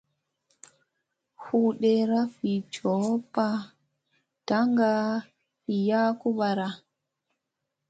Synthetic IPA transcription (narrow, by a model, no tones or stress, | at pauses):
huɗɛɾafit͡ʃɔpa | taŋɡa | fijaːkuɓaɾa